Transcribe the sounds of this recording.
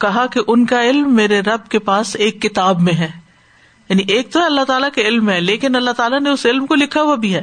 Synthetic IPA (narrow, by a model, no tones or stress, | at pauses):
kɐɦakeʔʊnkaɪlmːeːɾeɾɐbkepaːseːkːɪt̪aːbmẽɦɛː | jaːniʔeːk̚t̪oɦɛɐlːaɦt̪aːlakeɪlmɦɛ̃ːleːkɪnɐlːaɦt̪aːlaneʊsɪlmkolɪkʰaɦuabʱiɦɛː